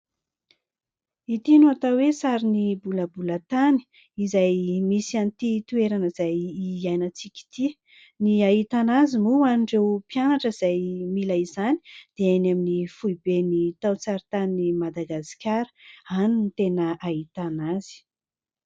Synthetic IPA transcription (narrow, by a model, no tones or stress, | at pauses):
it̪inuat̪awesaɾinibuləbulət̪ani̥ | izajmisiant̪it̪ueɾanəz̥ajiajnət͡sikʲi̥t̪ʰi | niait̪anazimuaniɳɖ͡ʐewpianaʈ͡ʂəiz̥ajmilaizani̥d̪̥eanaminifujbenit̪awt͡saɾit̪animad̪aɡasi̥kʲaɾə̥anunit̪enəait̪anaz̥i̥